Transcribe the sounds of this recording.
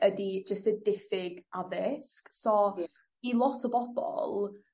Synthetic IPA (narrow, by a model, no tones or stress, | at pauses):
ədid͡ʒəstədɪfɪɡaðɪsksɔ | ilˠɔtʰɔbɔb̥ɔ̰lˠ